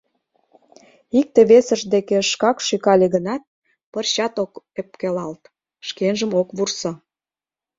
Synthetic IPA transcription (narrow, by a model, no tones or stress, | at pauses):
ik̚t̪eβesəʒd̪ekeʃkɑkʃykɑlʲeɣənɑt̪̚ | pərɕɑt̪ok | ep̚kelɑlt̪ | ʃkenʒəmokβursŏ